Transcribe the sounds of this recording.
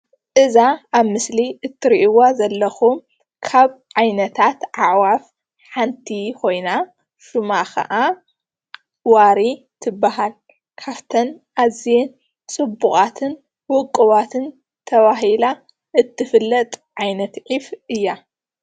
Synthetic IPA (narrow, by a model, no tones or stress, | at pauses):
ʔɨzaaβmɨsliʔɨt̪ʰːɨɾiʔiwazɐlːɐxum | kʰaβʕajnɐt̪ʰat̪ʕaʕwaf | ħant̪ʰikʰo̞jna | ʃumakʰɐ̰ʔa | waɾi | t̪ʰɨbːaɦal | kʰaβt̪ʰɐnʔazien | t͡sʼɨbːuχʼat̪ʰɨn | wɔkʼːɨβat̪ʰɨn | t̪ʰɐβaɦila | ʔɨt̪ʰːɨfɨlːɐt̪ʼʕajnɐt̪ʕifʔɨjːa